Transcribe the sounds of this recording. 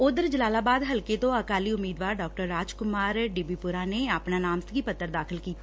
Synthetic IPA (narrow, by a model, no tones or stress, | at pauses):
ʊd̪əɾd͡ʒəlaːlaːbaːd̪ɦəlket̪õːəkaːliːʊmiːd̪ʋaːɾɖɔːk̚ʈəɾːaːd͡ʒkʊmaːɾɖɪbiːpʊɾaːneːaːpnaːnaːmsɡiːpət̪ːəɾd̪aːkʰɪlkiː